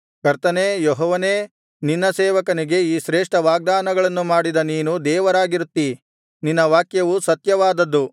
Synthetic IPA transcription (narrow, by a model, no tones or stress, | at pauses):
kɐɾt̪ɐneːjɔɦɔːʋɐneː | ninːɐseːʋɐkɐniɡe̞iːʃɾeːʂʈɐʋaːɡ̚d̪aːnɐɡɐɭɐnːumaːɽid̪ɐniːnud̪ɛːʋɐɾaːɡiɾut̪ːi | ninːɐʋaːkjɐʋusɐt̪jɐʋaːd̪ɐd̪ːu